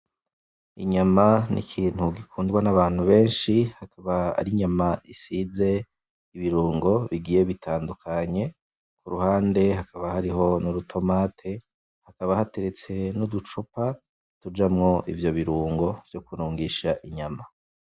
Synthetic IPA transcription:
iɲamanḭkʰiːn̥huɡikʰuːndɡwanaβaːn̥huβe̞ːnʃihakʰaβaa̰ɾiɲamaisize̞ | iβiɾuːŋɡo̞βiɡiːje̞βitʰaːndukʰaɲe̞ | kuɾuhaːnde̞ɦakaβahaɾiɦo̞nuɾutʰo̞maːtʰe | hakaβahate̞ɾe̞t͡se̞nud̪ut͡ʃupa | tud͡ʒamŋo̞ʔḭvjo̞βiɾuːŋɡo̞v̥jokuɾuːŋɡiʃaʔiɲama

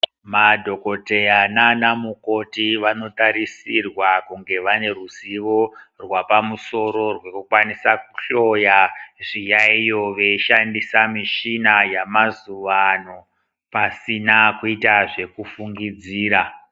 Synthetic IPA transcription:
madʱo̞ko̞te̞ananamukotiʋano̞taɾisirwakuŋɡe̞ʋane̞ruziʋo̞rwapamuso̞ɾo̞rwekukwanisaku̥ɬo̞jaʐijaijo̞ʋe̞iʃandisamiʃinajamazuʋano | pasinakuitaʐe̞kufuŋɡid͡ziːɾa

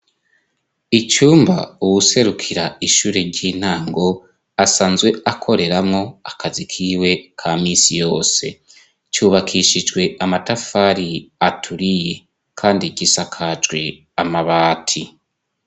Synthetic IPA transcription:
it͡ʃuːmba̰uwuse̞ɾukʰiɾaiʃuːɾe̞ɟiːn̥aːŋɡo̞ | asaːnzwe̞ʔakʰo̞ɾe̞ɾamŋo̞akʰazikʰiːwe̞kʰamisijo̞ːse̞̰ | t͡ʃuːβakʰiʃid͡ʒɡwe̞amatafaɾiatʰuɾije | kʰaːndiɟisakʰad͡ʒɡwe̞ | amaβaːtʰi

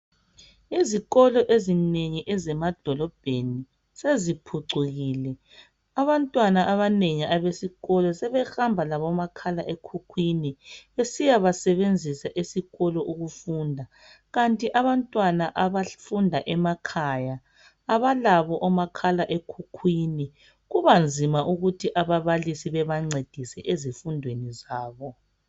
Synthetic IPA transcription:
iziɣɔlɔʔezineŋiʔɛzɛmad̥ʱɔlɔb̥ʱeni | sezipʰuǀuɣiːlɛ | aβantʼwanaʔaβaneŋiaβesiɣɔlɔsɛβɛxambʱalaβɔmakʰala̰ʔekʰukʰwiniβesijaβasɛβend͡zʱisaʔisiɣɔlɔʔuɣufuːndʱa | ɣantʼiʔaβantʼwanaʔaβafundʱaʔɛmakʰajaː | βalaβɔʔɔmakʰalaʔekʰukʰwini | ɣuβand͡zʱimaʔuɣutʰiʔaβaβalisiβɛβaŋ͡ǀed̥ʱisɛʔezifundʱwenizaːβɔ

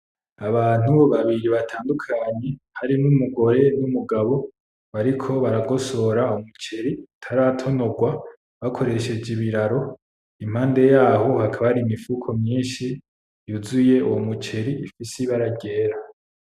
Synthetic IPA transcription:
aβaːn̥uβaβiɾiβatʰaːndukʰaɲe̞ | haɾinumuɡo̞ɾe̞numuɡaβo̞ | βaɾikʰo̞βaɾaɡo̞so̞ɾaumut͡ʃe̞ɾitʰaɾatʰo̞no̞ɡwa | βakʰo̞ɾe̞ʃe̞d͡ʒiβiɾaɾo̞ | im̥haːnde̞jaːɦo̞hakʰaβaɾiːmifuːkʰo̞mɲiːnʃi | juzuje̞uwomut͡ʃe̞ɾiifisiβaɾaɟe̞ːɾa

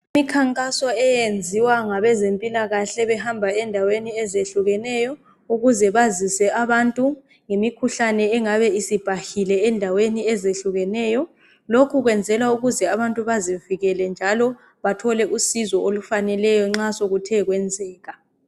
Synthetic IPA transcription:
imikʰaŋkʼasɔɛjend͡zʱiwaŋaβɛzempʼilaɣaɬɛβɛhambʱaɛndʱaweniɛzeɬuɣɛnɛjɔ | uɣuzɛβazisɛaβantʼu | ŋemikʰuɬanɛɛŋaβɛisib̥ʱahilɛːndʱaweniɛzeɬuɣɛnɛːjɔ | lokʰuɣwɛnd͡zʱɛlauɣuzɛaβantʼuβaziviɣɛlɛnd͡ʒʱalɔ | βatʰɔlɛʔusizɔolufanɛlɛjɔŋ͡ǁasoɣutʰɛɣwɛnd͡zʱɛːɣa

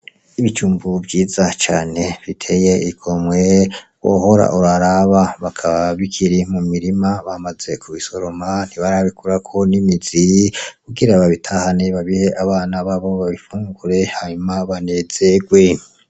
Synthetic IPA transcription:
iβit͡ʃuːmbubɟiːzat͡ʃaːne̞βitʰe̞je̞ikʰomwewo̰ho̞ɾa̰ʔuɾaɾaβaβakʰaβaβikʰiɾimumiɾimaβamaze̞kʰuβiso̞ɾo̞man̥iβaɾaβikuɾakʰo̞nimizikuɡiɾaβaβitʰahaneβaβihe̞ʔaβaːnaβaβo̞βaβifuːŋɡuɾe̞haɲumaβane̞ze̞ɡwe̞

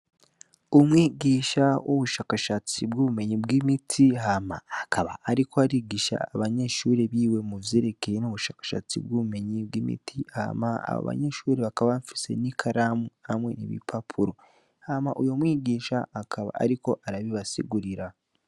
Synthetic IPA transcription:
omwiːɟiːʃawʔoβuʃaːkaʃat͡sibɡuβume̞ɲibɡimitʰiɦama̰ːkʰaβa̰ʔːɾikoaɾiːɡiʃa̰ːβaɲe̞ʃuːɾeβiːwe̞muvjeɾe̞kejenoβuʃaːkḁʃa̰t͡sḭbɡuβume̞ɲib̚wimḭtʰiha̰maa̰βo̰βa̰ɲe̞ʃuːɾe̞βakaβaɱfi̥se̞̰nikʰaɾamuhamwe̞nḭβḭpʰapʰuɾo̞ | hamaʔujo̞mwiːɟiːʃaːkʰaβa̰a̰ɾiko̞ʔaɾaβiβasḭɡuɾiɾa

